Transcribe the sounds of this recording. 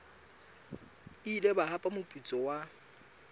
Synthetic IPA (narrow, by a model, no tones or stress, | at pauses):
ilɛbahapʼamʊpʼut͡sʼɔwa